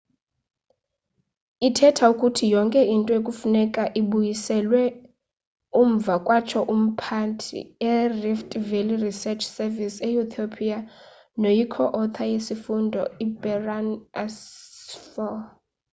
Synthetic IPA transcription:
itʰɛtʰaukʼutʰijɔŋkʼɛintʼɔjekʼufunɛkʼaʔiɓujisɛlwɛ | uɱ̩b̪vakʼwat͡ʃʰɔʔum̩pʰantʰḭɛriftʼvelirisɛt͡ʃʰsɛvisɛut̪ʰopʰia | nojikʰɔʔɔt̪ʰajesifundʱɔibɛranasfɔl

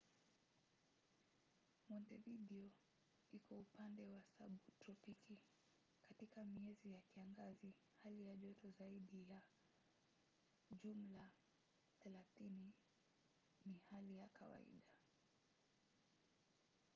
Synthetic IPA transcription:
mɔntɛviɗiɔ | ikʰɔupandɛwasaɓutɾɔpiki | katikamiɛzijakiaŋɡazi | halijaʄɔtɔzaiɗija | ʄum̩la | θɛlaθini | nihalijakʰawa̰ḭɗa

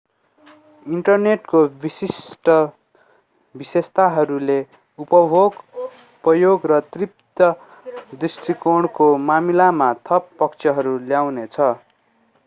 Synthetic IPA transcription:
iɳʈʌrneʈkobisisʈʌ | bisest̪aɦʌɾule | upʌbʱoɡ | pʌjoɡrʌt̪rip̚t̪ʌ | d̪risʈʰikoɽ̃komamilamat̪ʰʌpːʌkt͡sʰʌɦʌɾuljawnet͡sʰʌ

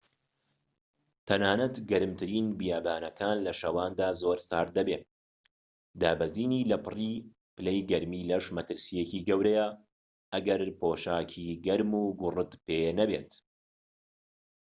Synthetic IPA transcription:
t̪ʰɐnaːnɐt̪ɡɐɾɨmt̪ʰɨɾiːnbijaːbaːnɐkʰaːnlɐʃɐwaːnd̪aːzoːɾsaːɾd̪ɐbeː | d̪aːbɐziːniːlɐpʰɨriː | pɨlɛjɡɐɾmiːlɐʃmɐt̪ɨɾsijeciːɡɐwɾɐja | ʔɐɡɐɾpʰoːʃaːkʰiɡɐɾmuːɡʊrɨt̪penɐbḛːt̪

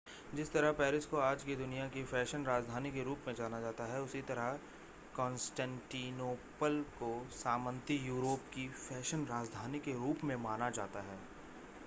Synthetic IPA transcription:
d͡ʒɪst̪ɐɾəɦpɛːɾɪskoaːd͡ʒked̪ʊnijakifɛːʃənɾaːd͡ʒd̪ʱaːnikeɾuːpmẽd͡ʒaːnad͡ʒaːt̪aɦɛʊsit̪ɐɾəɦ | kɔ̃ːnsʈɛ̃ːɳʈiːnoːpəlkosaːmə̃nt̪ijuːɾoːpkifɛːʃənɾaːd͡ʒd̪ʱaːnikeɾuːpmẽmaːnad͡ʒaːt̪aɦɛː

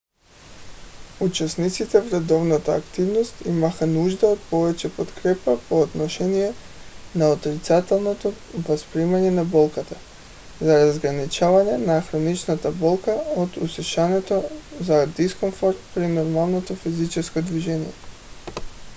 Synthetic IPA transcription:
ut͡ʃɛsnit̪sit̪ɛvɾɛd̪ɔvnat̪aːkt̪ivnost̪imaxanuʒd̪aot̪̚pɔvɛt͡ʃɛpot̪kɾɛpapoːd̪nɔʃɛnijɛ | naot̪ɾit̪sat̪ɛlˠnot̪o | vaspɾimaɲɛnabɔlˠkat̪a | zaɾazɡɾanit͡ʃavaɲɛnaxɾonit͡ʃnat̪abɔlˠkaot̪usɛʃanɛt̪ozad̪iskomfoɾt̪pɾinoɾmalˠnot̪ofizit͡ʃɛskod̪viʒɛnijɛ

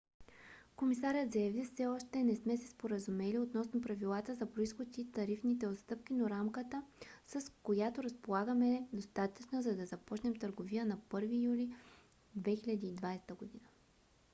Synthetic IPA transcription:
komisaɾʲət̪zɐjɐvifsɛɔʃt̪ɛnɛsmɛsɛ̥spoɾɐzumɛliot̪nɔsnopɾɐvilˠat̪əzɐpɾoisxot̪it̪ɐɾifnit̪ɛot̪st̪ɤp̚kʲinoɾamkət̪əsɐskojat̪oɾɐspolˠaɡəmɛd̪ost̪at̪ət͡ʃnozɐd̪ɐzɐpɔt͡ʃnɛmt̪əɾɡovijənɐpɤɾvijulʲi | d̪vɛxilʲɐd̪iːd̪vajst̪əɡod̪inə

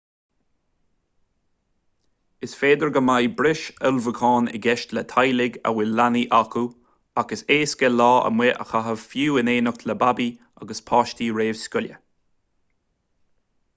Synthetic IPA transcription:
ɪsfeːd̪əɹɡəmajbɾɪʃəlvəkʰɑːnɪ̰ɡɛʃtlət̪ʰajlɪɡa̰wɪlaniʔakʰu | aɡəseːskɛlɑːə̰mwɛʔə̰xaɦəvfjuːɪneːnəkʰləbabi | a̰ɡəspʰɑːʃtiɹeːv̥skʊlʲjə̰

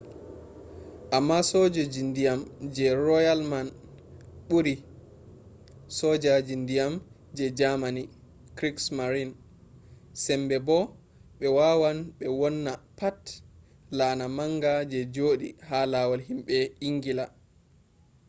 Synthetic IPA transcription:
ʔamːasɔd͡ʒɔd͡ʒindijamd͡ʒɛɾɔjalman | ɓuɾi | sɔd͡ʒad͡ʒindijam | d͡ʒɛd͡ʒamani | kɾiksmaɾin | sɛmbɛbɔ | ɓɛwaːwanɓɛwɔnːapat | laːnamaŋɡad͡ʒɛd͡ʒoːɗḭhalawalhimɓɛiŋɡila

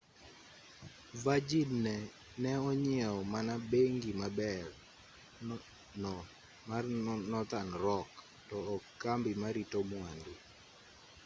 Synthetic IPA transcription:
vad͡ʒidnɛ | nɛɔɲɪɛɔmanabeŋɡimabɛr | nɔ | manɔt̪anɾɔk | tɔːkambimaɾitomwandi

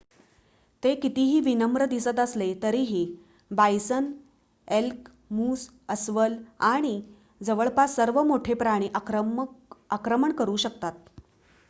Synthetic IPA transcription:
t̪ekit̪iɦiːʋinəmɾəd̪isət̪əslet̪əɾiɦiː | bajsən | elk | muːs | əsʋəlaɽ̃i | d͡zəʋəɭpasəɾʋəmoʈʰepɾaɽ̃iːʔa | akɾəməɳkəɾuːɕək̚t̪at̪̚

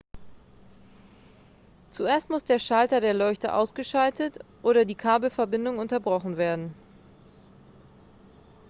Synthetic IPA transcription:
t͡suʔeːɐstmʊsd̥eːɐʃaltɐdeːɐlɔʏçtə̰ʔa̰ʊsɡ̥əʃaltʰətʔoːɾɐdiːkʰaɐbl̩fɛɐbɪndʊŋʊntɐbʁɔχn̩veːɐdn̩

